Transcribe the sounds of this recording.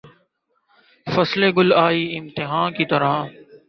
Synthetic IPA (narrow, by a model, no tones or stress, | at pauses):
fəsleːɡʊlaːiːɪmt̪ɪɦaːnkiːt̪əɾãː